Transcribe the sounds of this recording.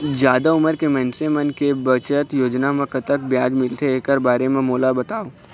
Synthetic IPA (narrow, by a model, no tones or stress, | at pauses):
d͡ʒjaːd̪aʊməɾkemɛ̃ːnsemənkebət͡ʃət̪joːd͡ʒnamẽkət̪ək̚bjaːd͡ʒmɪlt̪ʰeeːkəɾbaːɾemẽmoːlabɐt̪aːoː